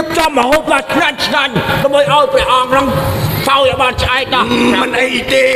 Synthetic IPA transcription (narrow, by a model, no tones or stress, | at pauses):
pʰt͡ɕɔpmɔɦoːp̪̚kaːt͡ɕʰnaɲt͡ɕʰnaɲɗɔmɓəjʔaɔjprɛ̆əʔɑŋnɨŋsawjaɓaːnt͡ɕʰʔaɛk̚nɑmɨnʔəjt̪eː